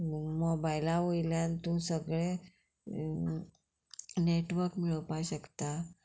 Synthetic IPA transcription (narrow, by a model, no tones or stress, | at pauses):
mobajlaʋojljant̪ũsəɡɭe | neʈʋəɾkmiɭəʋpajɕəkt̪a